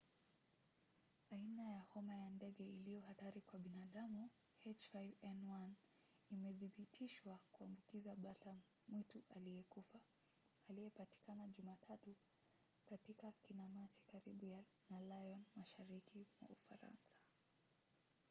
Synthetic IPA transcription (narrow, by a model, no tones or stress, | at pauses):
ainajahɔmajandɛɠɛilijɔhataɾikwaɓinaɗamu | hɛt͡ʃfajvɛnwan | imɛðiɓitʰiʃwakuambukizaɓata | mwituʔalijɛkufa | alijɛpati̥kanaʄumatʰatu | katikakinamasi̥kaɾiɓuja | nalajɔnmaʃaɾikimwa̰ufa̰ɾa̰nsḁ